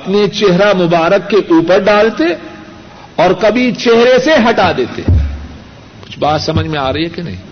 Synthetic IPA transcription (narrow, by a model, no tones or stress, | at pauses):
ɐpnet͡ʃeɦɾamʊbaːɾəkːeʔuːpəɾɖaːlt̪e | ɔːɾkɐbʱit͡ʃeɦɾeseɦɐʈad̪eːt̪ḛɦ | kʊ̥t͡ʃʰbaːt̪sɐməd͡ʒʱmẽaːɾɐɦiɦɛkenɐ̰ɦḭ̃ː